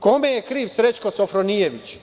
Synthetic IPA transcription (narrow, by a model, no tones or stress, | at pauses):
komejekɾiːʋsɾe̞t͡ʃkosofɾonijeʋit͡ɕ